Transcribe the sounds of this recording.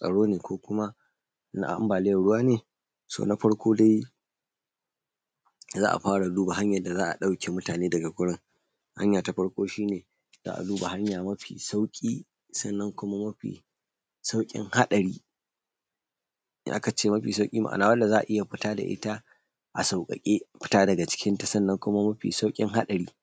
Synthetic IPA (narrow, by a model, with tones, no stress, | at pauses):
sʼɐ̰˨ɽoː˦neː˨kʷoː˦kʷʊ˦ma˦ | na̰˦ʔʔa̰˦mbaː˨lɪ˦jɐ˨ɽʊ˦waː˦neː˨ | so̰ː˨na˦ɸɐ˦ɽkʷʰoː˦da˦j | zaː˦ʔa̰˨ɸaː˦ɽa˨luː˦ba˨ɦa˦ɲjɐ˨da˨zaː˦ʔa̰˨ɗa˦wkʲʰeː˨mʊ˦taː˨neː˦dɐ˨ɡa˨ɡʷʊ˦ɽɪ˦ŋ | ha̰˦ɲjaː˨ta˨ɸɐ˦ɽkʷoː˦ʃiː˦neː˨ | za̰ː˦ʔa̰˨luː˦ba˨ɦa˦ɲjaː˨mɐ˦ɸḭː˨sa˦wkʲʼiː˦ | sɐ˦˨nːɐ˦ŋkʷʊ˦ma˦mɐ˦ɸḭː˨ | sa˦wkʲʼɪ̰˦ŋha˦ɗɐ˨ɽiː˦ | ʔa̰˦ka˨t͡ʃeː˦mɐ˦ɸiː˨sa˦wkʲʼiː˦ma̰˦ʔa̰˨naː˨wɐ˦nda˨zaː˦ʔa̰˨ʔɪ˦ja˨ɸɪ˦taː˦da̰˨ʔɪ̰˦ta˦ | ʔa̰˨sa˨wkʼɐ̰˨kʲʼeː˦ɸɪ̥˦taː˦dɐ˨ɡa˨t͡ʃɪ̥˦kʲɪ˦nta˨sɐ˦˨nːɐ˦ŋkʷʊ˦ma˦mɐ˦ɸḭ˨sa˦wkʲʼɪ̰˦ŋɦa˦ɗɐ˨ɾiː˦